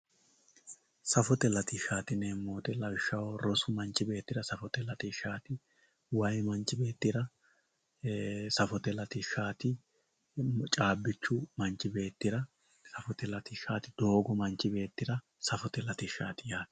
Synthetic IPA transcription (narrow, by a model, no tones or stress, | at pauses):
sɐfɔt̪ɛlɐt̪ɪʃaːt̪ɪneːmːoːt̪ɛlɐwɪʃːɐwɾɔsʊmɐnt͡ʃʼːɪbe̞ːt̪ːɪɾɐsɐfɔt̪ɛlɐt̪ɪʃaːt̪ɪ | wɐjmɐnt͡ʃʼːɪbe̞ːt̪ːɪɾɐ | sɐfɔt̪ɛlɐt̪ɪʃaːt̪ɪ | t͡ʃʼaːbːɪt͡ʃːʊmɐnt͡ʃːɪbe̞ːt̪ːɪɾɐ | sɐfɔt̪ɛlɐt̪ɪʃaːt̪ɪd̪̥o̞ːɡɔmɐnt͡ʃːɪbe̞ːt̪ːɪɾɐ | sɐfɔt̪ɛlɐt̪ɪʃaːt̪ɪjaː